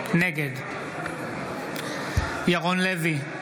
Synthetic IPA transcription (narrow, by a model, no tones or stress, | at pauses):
nɛɡɛd | jaɣɔnlɛvi